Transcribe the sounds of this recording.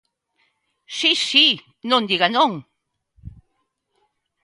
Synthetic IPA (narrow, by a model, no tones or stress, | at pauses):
ʃiʃi | nond̪iɣanoŋ